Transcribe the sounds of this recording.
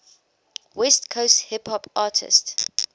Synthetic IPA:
wɛstkʰosthɪpʰɔpɑːtʰɪ̰st

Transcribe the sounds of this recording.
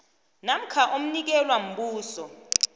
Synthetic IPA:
nam̩kʰaʔom̩nik̬ɛlwam̩ɓuːsɔ

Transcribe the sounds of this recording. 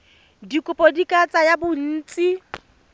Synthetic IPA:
dikʼʊpʼɔdikʼat͡sʼajabʊn̩ːt͡sʼi

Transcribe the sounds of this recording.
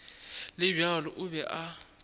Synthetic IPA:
lɪbjalɔʔʊbɛʔa

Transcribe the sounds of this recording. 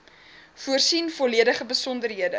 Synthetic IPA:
fuərsinfɔliədəχəbəsɔndərɦiədə

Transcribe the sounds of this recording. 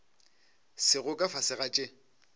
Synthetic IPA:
sɪɣʊkʼafasɪɣat͡ʃʼɪ

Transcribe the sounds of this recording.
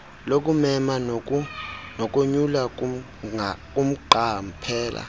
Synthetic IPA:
lok̬ʼumɛman | nok̬ʼoɲula | kʼum̩ǃam̩pʰɛːla̰

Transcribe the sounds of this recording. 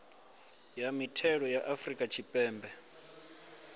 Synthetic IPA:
jamitʰɛɺɔjaʔafrikʼat͡ʃʰipʼɛːmbɛ

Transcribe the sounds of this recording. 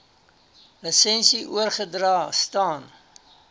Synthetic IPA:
ləsɛnsiʔuərχədrɑːstɑːn

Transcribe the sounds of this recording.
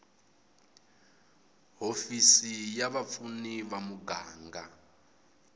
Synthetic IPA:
ɦofisijaβap̪funiβamuɡaːŋɡa

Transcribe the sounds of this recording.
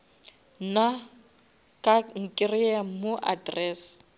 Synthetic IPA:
na | kʼaŋ̩kʼɪriamʊʔa̰drɛːs

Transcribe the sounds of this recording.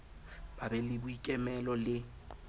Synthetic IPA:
babɛlɪbʊikʼɛmɛlɔlɪ

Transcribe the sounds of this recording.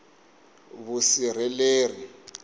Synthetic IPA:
βusiɾ̤ɛleːri

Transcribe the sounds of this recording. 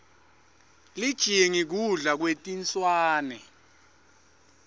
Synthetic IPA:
lid̥ʒ̥ʱijeŋik̬uɮak̬wetʼint͡sʼwaːnɛ

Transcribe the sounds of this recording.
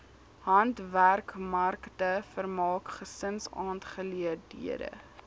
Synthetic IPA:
ɦɐntværkmɐrktəfərmɑːkχəsənsɑːnχəliərdḭədə̰

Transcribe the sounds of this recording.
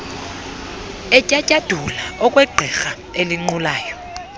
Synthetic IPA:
ɛcʼacʼad̥ʱulaɔkʼwɛɡ͡ǃʱɛxa | eliŋ͡ǀulaːjɔ

